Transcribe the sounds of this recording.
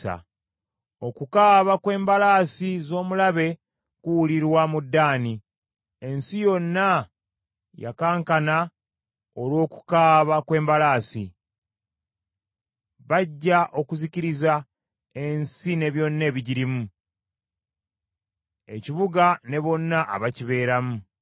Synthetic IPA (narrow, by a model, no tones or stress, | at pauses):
a̰ | o̞kukaːβakwe̞ːmbalaːsizo̞ːmulaβe̞ | kuwuliɾwamudːaːni | e̞nsijo̞nːa | ja̰kaːŋkana | o̞lwo̞ːku̥kaːβakwe̞ːmbalaːsḭ | βaɟːaʔo̞kuziciɾiza | e̞nsine̞βjo̞nːe̞βiɟiɾimu | e̞̰ciβuɡane̞βo̞nːaʔa̰βaciβe̞ːɾamu